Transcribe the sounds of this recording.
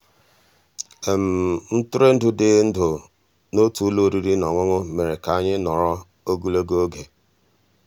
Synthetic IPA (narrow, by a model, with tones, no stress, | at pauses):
e˨m̩˨n̩˦tʊ˦ɾe˦n̩˦dʊ˨dɪ˨˦n̩˦dʊ˨ | no˦tu˨˦lo˦˨ɾi˦ɾi˦nɔ˨ŋʷʊ˦ŋʊ˦me˨ɾe˨ka˨˦˨ɲɪ˦nɔ˨ɾɔ˦ | o˦ɡu˦lo˦ɡo˦o˦ɡe˨